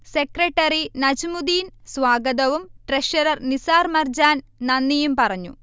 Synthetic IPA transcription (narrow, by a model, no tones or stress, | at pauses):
sekɾeʈːɐɾinɐd͡ʑimud̪iːnsʋaːɡɐd̪ɐʋumʈɾeʃɐɾɐrnisaːɾmɐrd͡ʑaːn | nɐnːijumpɐrɐɲːṵ